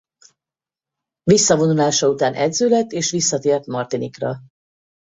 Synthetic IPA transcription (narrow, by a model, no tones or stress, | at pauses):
visːɒvo̞nulaːʃɒut̪aːnʔɛd̪zøːlɛt̪ːeːʃʋisːɒt̪eːrt̪mɒrt̪inikrɒ̰